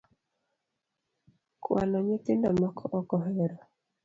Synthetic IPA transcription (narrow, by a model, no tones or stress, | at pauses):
kwa̰nɔɲɪtendɔmɔkʰɔʔɔkɔɦɛɾɔ